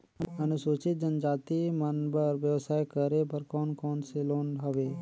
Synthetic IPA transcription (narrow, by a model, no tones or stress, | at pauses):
ɐnʊsoːt͡ʃɪt̪̚d͡ʒɐnd͡ʒaːt̪imɐnbɐɾʋjɐʋsaːjkəɾepɐɾkɔːnkɔːnseloːnɦɐʋeː